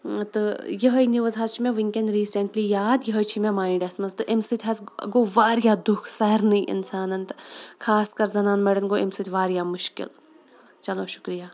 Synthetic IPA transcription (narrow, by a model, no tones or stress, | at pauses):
t̪ɨjɐɦɐjniʋɐzɦazt͡ʃʰimẽʋiŋkʲendɾiːseɳʈlijaːd̪jɐɦɐjt͡ʃʰimemaːĩɖesmɐnst̪ɨʔimsɨt̪ʰʲɦɐzɡoːʋaːɾjaːd̪ukʰsɐɐɾnɐjʔɪ̰nsaːnɐnt̪kʰaːskɐɾzɐnaːnmeːɖɐnɡoːʔimsɨt̪ʰʲʋaːɾjaːmʊʃkɪ̰l | t͡ʃɐloːʃʊ̥kɾijaː